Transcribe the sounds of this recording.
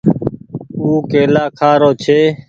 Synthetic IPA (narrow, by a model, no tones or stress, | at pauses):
uːkeːlaːkʰaːɾoːt͡ʃʰeː